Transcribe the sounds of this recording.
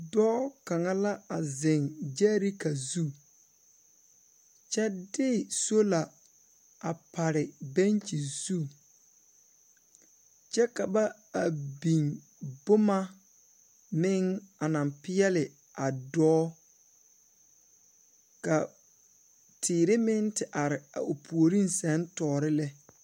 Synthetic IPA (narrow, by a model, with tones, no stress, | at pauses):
dɔː˦ka˨ŋa˦la˦a˨zɪ˨ŋd͡ʒɛː˦ɾɪ˦ka˨zu˦˨ | t͡ʃɛ˦dɪ˦˨so˦la˨ | a˨pa˨ɾɪ˨bɛ˦nt͡ʃi˨z̥u˦ | t͡ʃɛ˦ka˨ba˦ | a˨bi˨ŋ | bʊ˦ma˦ | mɪ˦ŋa˨nã˨mpɪ˦jɛ˦lɪ˨ | a˨dɔː˦ | ka˨ | tʰɪː˨ɾɪ˦mɪ˦ntɪ˨ʔa˨ɾɪ˨a̰˨ʔo˨pʰu˨o˨ɾi˦n˦sɛ˦ntɔː˨ɾɪ˦lɛ˦